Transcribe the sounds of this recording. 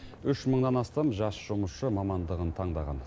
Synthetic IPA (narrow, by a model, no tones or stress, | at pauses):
ʏʃməɴd̪ɑnɑst̪ɑmʒɑsʒ̥ʊməsʃəmɑmɑnd̪əʁənt̪ʰɑɴd̪ɑʁɑ̰n